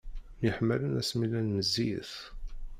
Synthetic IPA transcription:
jəħmːælənæsmilænməzːiθ

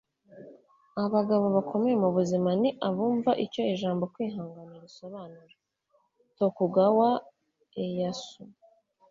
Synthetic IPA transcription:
aβaɡaβo̞βakʰo̞mejemuβuzimaniʔaβuːɱvaʔico̞iʒaːmbo̞kwiːɦaːŋɡaniɾiso̞βaːnuɾa | to̞kuɡawa | ejasu

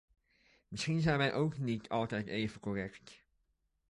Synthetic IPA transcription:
mɪsχinzɛjnʋɛjʔowknitʰɑlˠtɛjteːvəkorɛkt

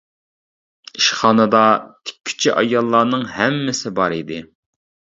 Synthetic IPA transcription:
iʃχɑːnɨd̪ɑt̪ʰɪ̥kʲʰːy̥t͡ʃʰiʔɑjɑlˠːɑːnɨŋhɛmːɪsɪbɑɾid̪ɪ

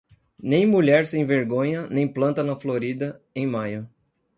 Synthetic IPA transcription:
nẽj̃muʎɛɾsẽj̃veɾɡõɲɐnẽj̃plɐ̃nt̪ɐnɐfloɾid̪ɐ | ẽj̃majʊ

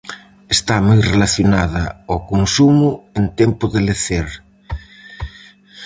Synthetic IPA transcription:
est̪amujrelaθjonaðɐokonsumʊent̪empʊðeleθeɾ

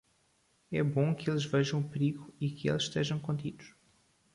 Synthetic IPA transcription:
ɛbõkelˠʒvɛʒɐ̃w̃pɾiɣuikɨḛlˠzʃːt̪eʒɐ̃w̃kõnt̪id̪uʃ

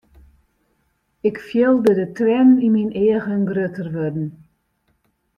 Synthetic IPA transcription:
ɪkfjɪlˠdədətrɛnimineəɣənɡrøtərʋødn̩

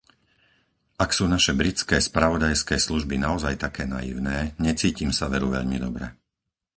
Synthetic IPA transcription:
ʔaksuːnaʃɛbɾit͡skɛːspɾaʋɔd̪ajskɛːsluʒbinaɔzajt̪akɛːna̰jḭʊnɛːɲɛt͡siːcimsaʋɛɾuʋɛ̰ʎmid̪ɔbɾɛ̰

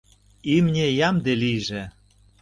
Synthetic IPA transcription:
imnʲejɑmd̪elijʒĕ

